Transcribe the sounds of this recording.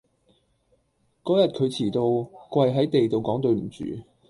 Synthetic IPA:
kɔː˨˥jɐ˨t̚kʰɵ˨˧ɥt͡sʰiː˨˩t̪o˧wkwɐ˧jɦɐ˨˥jt̪e˨jt̪o˨wkɔː˨˥ŋt̪ɵ˧ɥm̩˨˩t͡sy̰ː˨˧˦

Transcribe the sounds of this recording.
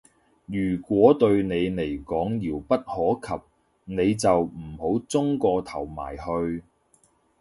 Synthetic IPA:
jyː˨˩kʷwɔː˨˥t̪ɵ˧ɥne˨˧jne˨˩jkɔː˨˥ŋjiː˨˩wpɐ˥t̚hɔː˨˥kʰɐ˨p̚ | ne˨˧jt͡sɐ˨wm̩˨˩ho˨˥wt͡sʊ˥ŋkɔː˧t̪ʰɐ˨˩wma̰ː˨˩jhɵ˧ɥ

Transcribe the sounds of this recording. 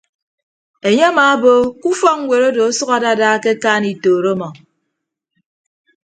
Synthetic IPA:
e˨ɲe˦a˦ma˨˦bo˦ku˦fɔ˦ŋ̩˦ŋʷe˨ɾo˦do˨o˦sɔ˦ɣa˨da˦daː˦ke˦kaː˦ni˨toː˨ɾo˦mɔ˨

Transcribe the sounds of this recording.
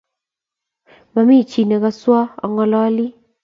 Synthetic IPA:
ma˨mi˦˨t͡ʃi˨ne˨ka˦swa˦ɔ̰˨ŋɔ˨lɔ˦li˦

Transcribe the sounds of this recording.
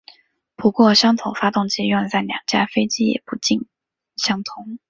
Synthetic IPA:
pu˧˥kwɔ˥˧ɕjɑ˥ŋt̪ʰʊ˧˥ŋfa˥t̪ʊ˥˩ŋt͡ɕi˥ɥɛ˥˧nt͡sa˥˩ɪljɑ̰˨˩ŋt͡ɕja˥fe˥ɪt͡ɕi˥jɛ̰˨˩pu˧˥t͡ɕi˥˩n | ɕjɑ˥ŋt̪ʰʊ˧˥ŋ

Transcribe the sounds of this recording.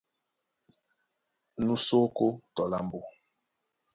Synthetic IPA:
nũ˦so˦ko˦tɔ˨la˦m˦bo˦

